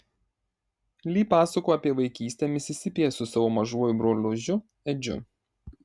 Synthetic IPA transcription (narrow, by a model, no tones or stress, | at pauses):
lʲiːpɑːsɐkoːɐpʲiɛʋɐɪkʲiːsʲt̪ʲɛmʲɪsʲɪsʲɪpʲejɛsʊsɐʋoːmɐʒuɔjʊbɾoːlʲʊʒʲʊ | ɛd͡ʒʲʊ̰